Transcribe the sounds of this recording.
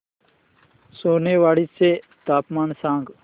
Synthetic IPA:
soːneːʋaːɽiːseː | t̪aːpmaːnsãːŋɡ

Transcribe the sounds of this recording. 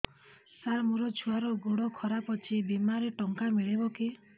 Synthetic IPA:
saɾmuɾɔt͡ʃʰuaɾɔɡoɽɔkʰɔɾapɔt͡ʃʰibimaɾeʈɔŋkamiɭebɔki

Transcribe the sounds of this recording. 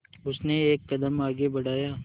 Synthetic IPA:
ʊsneeːkːɐd̪əmaːɡebɐɽaːjaː

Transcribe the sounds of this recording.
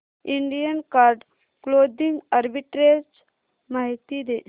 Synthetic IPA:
iɳɖijənkaɾɖ | kloːd̪iŋɡaɾbiʈɾed͡ʒ | maɦit̪id̪e

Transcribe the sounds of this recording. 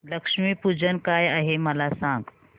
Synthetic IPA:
ləkʃmipud͡ʒənkajaɦeməlasãŋɡ

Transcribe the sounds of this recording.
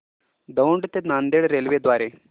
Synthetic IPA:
d̪əuɳɖt̪enand̪eɽɾelʋed̪ʋaːɾe

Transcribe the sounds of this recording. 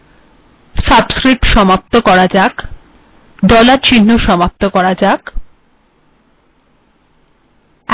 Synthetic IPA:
sabskɾiʈʃɔmap̚t̪okɔɾad͡ʑak | d̪ɔlaɾt͡ɕʰinːoʃɔmap̚t̪okɔɾad͡ʑak

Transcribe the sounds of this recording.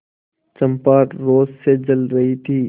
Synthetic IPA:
t͡ʃə̃mpaːɾɾoːzsed͡ʒəlɾəɦit̪ʰiː

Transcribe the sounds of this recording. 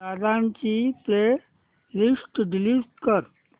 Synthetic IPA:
ad̪ãnt͡ɕipe | lisʈɖiliʋʈkəɾ

